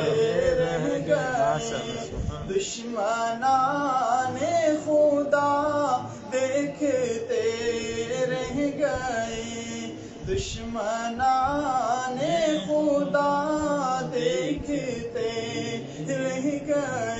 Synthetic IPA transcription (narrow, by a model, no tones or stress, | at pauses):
eɾɛɦɡɐe | d̪ʊʃ | məna | nexʊd̪a | d̪eːkʰt̪e | ɾɛɦɡɐe | d̪ʊʃməna | nexʊd̪aː | d̪eːkʰt̪e | ɾɛɦɡə